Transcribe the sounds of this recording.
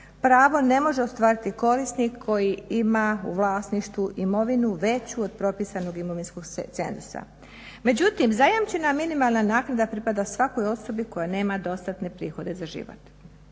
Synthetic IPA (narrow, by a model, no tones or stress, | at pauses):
pɾaːʋo̞ne̞mo̞ʒeost̪ʋaːɾit̪iko̞ɾisnikʰːo̞jiimaṵʋlˠaːsniʃt̪ʋuʔimo̞ʋinuʋe̞t͡ɕuod̪pɾo̞piːsano̞ɡimo̞ʋinsko̞ɡt̪se̞̰nzusa̰ | me̞d͡ʑut̪imzajamt͡ɕe̞naminimalˠnanaːknad̪apɾipad̪asʋako̞jo̞so̞biko̞jane̞ːmad̪o̞st̪at̪ne̞pɾḭːxo̞d̪e̞zaʒḭʋo̰t̪